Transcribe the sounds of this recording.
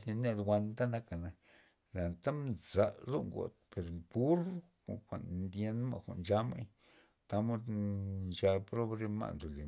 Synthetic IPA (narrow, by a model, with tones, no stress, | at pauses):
sa˧na˧d̪wʷa˧nt̪a˦na˧˦ka˨na˨ | la˨nt̪a˦mza˨ʔlo˦ŋɡo̰˨t̪̚pe˨ɾpu˦ɾko̰˨kʷa̰˨nnd̪je˧nma̰˦˨kʷa̰˨ʔnd͡ʒa˧ma̰˦j | t̪a˦mo˦d̪d͡ʒa˧pɾo˦bɾe˧ma̰˨nd̪o˨li˨